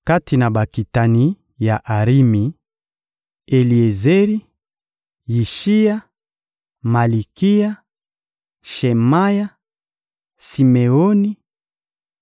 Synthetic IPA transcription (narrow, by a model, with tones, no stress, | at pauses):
ka˦ti˨na˨ba˨ki˨ta˨ni˦ | ja˨ʔa˨ʁi˦mi˨ | e˨li˨e˨ze˦ɾi˦ | ji˨ʃi˦ja˦ | ma˨li˨ki˦ja˦ | ʃe˨ma˦ja˦ | si˨me˨o˦ni˦